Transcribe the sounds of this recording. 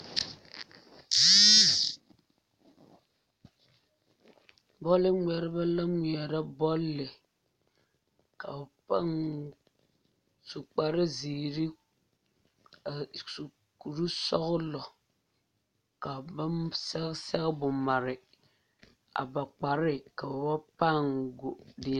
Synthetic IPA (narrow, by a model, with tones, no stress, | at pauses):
bɔ˦lɪ˦ŋʷɛ˨ɾɪ˦ba˦la˦ŋi˨ɛ˨ɾa˦bɔ˦lːɪ˨ | ka˨a˨pa˦ŋ | su˨k͡pa˨ɾɪ˦ziː˨ɾi˦˨ | su˨ | ku˨ɾu˦sɔ˦ɣʊ˦lɔ˨ | ka˨ba˦sɛ˦sɛ˦ɣbʊ˨ma˨ɾɪ˨ | a̰˨ba˨k͡pa˨ɾɪ˦ka˨ba˨ba˦pa˦˨ŋɡo˨dɪ˨